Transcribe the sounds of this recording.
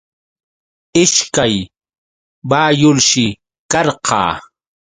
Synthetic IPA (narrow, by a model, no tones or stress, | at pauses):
ɪʃkaj | baːjʊlʃɪ | kɑɾqʰɑ̰ː